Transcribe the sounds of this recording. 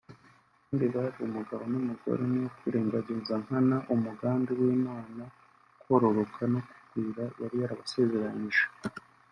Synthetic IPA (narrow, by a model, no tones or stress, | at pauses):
kaːndiβaɾiumuɡaβo̞numuɡo̞̰ɾenijokwiːɾe̞ːŋɡaɟeːzaŋ̥hanaʔumuɡaːndiwiːnaːna | ko̞ɾo̞ɾo̞kʰano̞ku̥ɡwiːɾajaɾijaɾaβase̞ze̞ɾaɲiʒe